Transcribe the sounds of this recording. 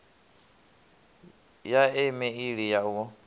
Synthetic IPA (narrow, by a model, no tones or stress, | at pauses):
jaɛmɛiɺijaukɔ